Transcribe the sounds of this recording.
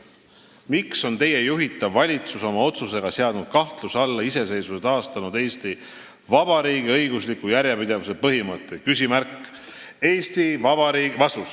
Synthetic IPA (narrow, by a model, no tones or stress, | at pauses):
mikso̞nt̪e̞je̞juɦit̪ːˑɑvːɑlʲit̪suso̞mɑo̞t̪suse̞ɡ̥ɑseɑd̪̥nud̪̥̚kɑht̪lusɑlːɑise̞se̞jsuset̪ɑːst̪ɑnud̪̥e̞ːst̪i | vɑbɑɾiːɡiɤjɡuslikːujæɾjɑpid̪̥e̞vus̬e̞pɤɦimɤt̪ːˑekysʲimærkː | e̞ːst̪ivɑbɑɾiːɡvɑst̪us